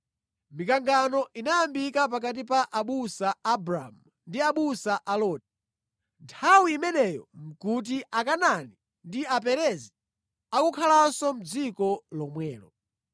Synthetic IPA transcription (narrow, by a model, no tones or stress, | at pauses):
mikaŋɡanɔʔinajambikap̬ak̬at̬ipaʔaɓusaːbɾamu | ndiaɓusaʔalɔːt̚ɛ̥ | ntʰawiːmɛnɛjɔm̩kut̬iʔakanani | ndiapɛɾɛzi | akukʰalasɔm̩d͡zikɔlɔmwɛːlɔ